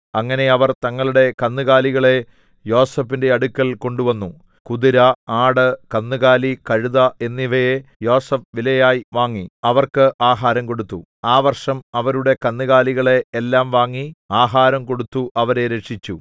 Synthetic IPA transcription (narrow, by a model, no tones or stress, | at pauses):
ɐŋːɐne̞ɐʋɐrt̪ɐŋːɐɭuɽe̞kɐnːɨɣaːliɣɐɭe̞ | jo̞ːsɐpːinde̞ɐɽukʲːɐlko̞ɳɖuʋɐnːu | kuðiɾɐaːɽɨkɐnːɨɣaːlikɐɻuðɐe̞nːiʋɐjejo̞ːsɐfʋilɐjaːjiʋaːŋːiɐʋɐrkɨʔaːɦaːɾɐmko̞ɽut̪ːu | aːʋɐrʂɐmɐʋɐɾuɽe̞kɐnːɨɣaːliɣɐɭe̞ːlːaːmʋaːŋːiaːɦaːɾɐmko̞ɽut̪ːuʔɐʋɐɾe̞ɾekʂit͡ɕːu